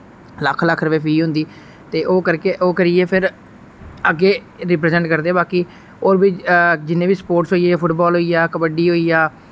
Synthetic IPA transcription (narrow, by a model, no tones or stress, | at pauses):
ləkʰːləkʰːɾəpeːpʰiːɦʊ̃nd̪iː | t̪eːʔoːkəɾkeːʔoːkəɾɪeːpʰɪɾ | əɡːeː | ɾɪp̬ɾɛːzɛ̃ɳʈkəɾd̪eːbaːkiː | oːɾbiːd͡ʒɪnːẽːbiːsə̥poːɾʈsoːieːpʰʊʈbɔːlɦoːiːjaːkəbəɖiːɦoːiːjaː